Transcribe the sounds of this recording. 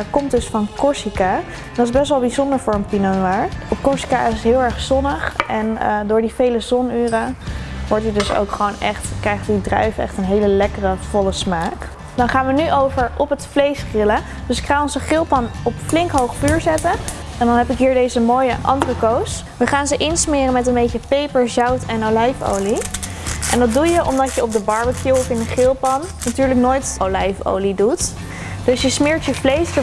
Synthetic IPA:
kɔmtdɵsfɑnkɔɹsika | dɑtɪzbɛstʋɛlˠbizɔndəɹfʊːɹəmpinonaɹɔpkɔɹsi̥kaɪsɦɪːlˠɛɹχzɔnəχɛndʊːɹdivejləzɔnyːrəʋɔɹtidɵso̰wkχəʋownɛ̰χtkrɛjχtdidrœ̰ɥfɛ̰χtənɦejləlɛkərəv̥ɔləsmaːk | d̥ɑnχaːnʋənyʔowvəɹɔpɦətflejsχrɪlə | dɵsɪkχaːnɔnzəχɪlˠpɑnɔpflɪŋkɦowχfyːɹzɛtə | ɛndɑnɦɛpɪkɦiːɹdejzəmoːjəʔɑ̰ndərəkows | ʋəχaːnzəʔɪnsmɪːrənmɛtənbejcəpejpəɹzɑwtɛnolɛjfo̰wli | ʔɛ̰ndɑd̚dujəʔɔmdɑtjəɔp̚dəbɑɹbəkjuwɔfɪnəχɪlˠpɑnːnatyːɹlək̚noːjtowlɛjfo̰wlidut | d̥ɵsjəsmɪːɹtjəflejstə

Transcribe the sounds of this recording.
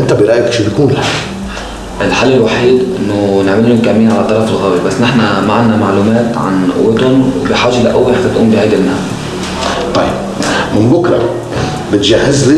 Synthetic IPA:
ʔɪnt̪æbɪɾˤɑʔjakʃibjkuːnɪlħa | ʔɪlħalːɪlwaħiːd̪ʔʔɪnːʊnɪʕmɪlːʊnkamːiːnʕalæt̪ˤːɑɾˤɑfɪlɣæːwibasːnɪħnæmaʕanːamaʕluːmæːt̪ʕa̰nʔʊ̰wːɪt̪ʊnwbɪħaːʒaʔlaʔæwːiatat̪ʔuːmbɪʕaːd̪ɪlnaː | t̪ˤɑjːɪb̚ | mɪnbʊkɾˤɑ̰ | bɪt̪ʒahːɪzli

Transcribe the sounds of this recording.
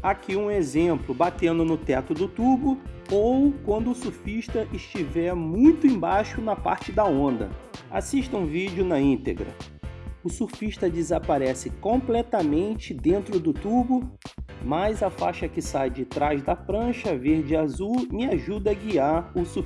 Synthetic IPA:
akʰiũezẽplʊbat̪ẽnd̪ʊnʊt̪ɛt̪ʊd̪ʊt̪ubʊowkwɐ̃nd̪ʊːsufiʃt̪ɐʔɪʃt͡ʃivɛɾmũj̃t̪ʊẽj̃bajʃʊnɐpa̰ɾt͡ʃɪd̪ɐõnd̪ɐ̰a̰siʃt̪ɐũvid͡ʒʊnɐĩnt̪ḛɡɾɐ̰ʊsufiʃt̪ɐd͡ʒɪzapaɾɛsɪkõplɛt̪ɐmẽnt͡ʃɪd̪ẽnt̪ɾʊd̪ʊt̪ubʊmajzɐfa̰ʃɐkɪsajd͡ʒɪt̪ɾazd̪ɐpɾɐ̃ʃɐveɾd͡ʒɪazumɪaʒud̪ɐɐɡiaɾʊsu

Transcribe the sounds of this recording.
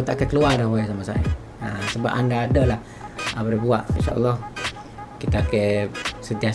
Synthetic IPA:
t̪aʔakakəluardahbajasamasa̰ḭ | asəba̰pa̰ndaːdəla | abəɾibuaʔinʃa̰ʔɔ̰lːɔh | kit̪akeʔsənt̪ia

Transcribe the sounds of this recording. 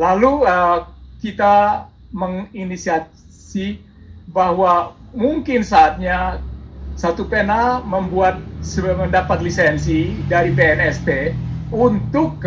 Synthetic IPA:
laluəkit̪a | məŋinisia | si | bahwa | muŋkɪnsaːt̪̚ɲa | sat̪upenaməmbuat̪̚səməndapat̪lisɛnsidaɾipeɛnɛspeunt̪ʊk

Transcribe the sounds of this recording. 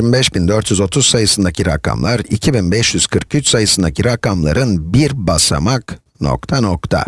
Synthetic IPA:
mibɛʃbind̪øɾt̪ʰjyzo̞t̪ʰuz̥sajɯsɯnd̪acʰiɾa̰kʰa̰mlˠaɾḭcʰibinbɛʃjyz̥kʰɯɾkyt͡ʃsajɯsɯnd̪acʰiɾakamlˠa̰ɾɯnbiɾbasa̰mak | no̰kt̪ʰanokt̪ʰa̰

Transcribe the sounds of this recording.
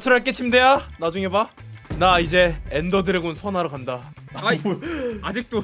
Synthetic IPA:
t͡ɕʰɯɾaɭk͈et͡ɕʰimde̞janad͡ʑuŋe̞banaid͡ʑe̞endʌdɯɾeɡonsʰʌnaɾɯkanda | ad͡ʑik̚t͈o

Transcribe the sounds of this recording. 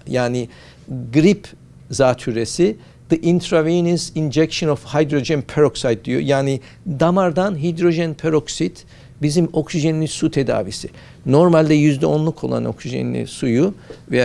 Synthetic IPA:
jaːni | ɡɾipʰ | zaːt̪ʰyɾesi | d̪̥ɨʔint̪ʰɾaviːnəzind͡ʒɛkʃonofhajd̪ɾod͡ʒɛnpʰeɾoksajd̪̚d̪ijo̰jaːni | d̪amaɾd̪anɦid̪ɾoʒɛnpʰeɾoksit̪ | bizimo̞ksiʒeniisut̪ʰed̪a̰ːvḭsi | no̞ɾmalʲd̪ɛjyzd̪ɛo̞nlˠukʰo̞̰lˠa̰noksiʒḛnilʲḭsujuvɛ

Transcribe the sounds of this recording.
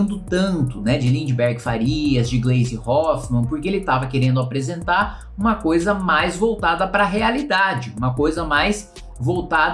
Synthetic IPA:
nd̪ʊt̪ɐ̃nt̪ʊnɛd͡ʒɪlĩd͡ʒɪbɛɾɡɪfaɾiɐzd͡ʒɪɡlejzɪhɔfmɐ̃npoɾkeelɪt̪avɐkeɾẽnd̪ʊapɾezẽnt̪aɾ | ũmɐkojzɐmajzvowt̪ad̪ɐpɾɐɦealid̪ad͡ʒɪũmɐkojzɐmajs | vowt̪ad̪

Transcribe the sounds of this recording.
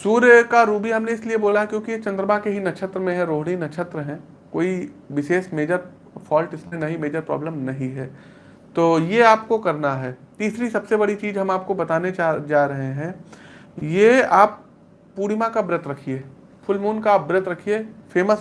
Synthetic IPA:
suːɾkaɾuːbiɦɐmneɪslieboːlaɦɛkjõːkijet͡ʃɐ̃nd̪ɾəbakeɦinɐt͡ʃʰət̪ɾəmẽɦɛ̃ɾoːɦɽ̃inɐt͡ʃʰət̪ɾəɦɛ̃ | koːiʋɪseːsmeːd͡ʒəɾ | fʰɔːlʈɪsmẽnɐɦĩmeːd͡ʒəɾpɾɔ̰ːbləmnɐɦĩɦɛː | t̪oːjeaːpkokɐɾnaɦɛːt̪iːsɾisɐbsebɐɽit͡ʃiːzɦɐmaːp̚kobɐt̪aːnead͡ʒaːɾɐɦeɦɛ̃ː | jeaːpː | uːɾimãkabɾɪt̪ɾɐkʰieː | fʰʊlmuːnkaːp̚bɾɪt̪ɾɐkʰieːfʰeːməs

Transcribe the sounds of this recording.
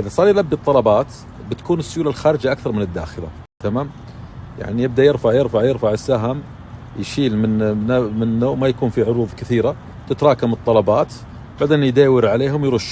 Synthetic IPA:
ʔɪðasˤɑːɾˤjlabːit̪ˤːɑlɑbɑːt̪ | bɪt̪kuːnəsːʊjuːlalxaːɾɪd͡ʒaʔakθɑɾˤmɪnəd̪ːa̰ːxəla̰ | t̪amaːm | ja̰ʕnijəb̚d̪ajɪɾfaʕjɪɾfaʕjɪɾfaʕəsːaɦam | jʃiːlmɪnmɪnːomajakuːnfiʕʊɾuːðˤkɪθiːɾa | t̪ɪt̪ɾˤɑːkamɨt̪ˤːɑlɑbɑːt̪ | baʕd̪eːnjd̪aːwəɾʕaleːɦʊmjɾʊʃː

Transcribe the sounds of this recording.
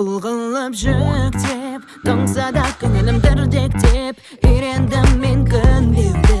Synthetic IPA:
lˠʁəlˠːəpʒʏkt̪ep | d̪̥əɴsɑd̪ɑkʲʰːʏnelɪmd̪ɪɾd̪ek̚t̪ep | iɾe̞nd̪ɪmːeŋkʲʰʏnbeld̪ɪ

